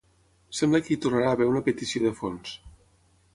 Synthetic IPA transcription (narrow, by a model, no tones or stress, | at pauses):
sɛmbləkəit̪urnaɾaːβeɾunəpet̪isioðəfons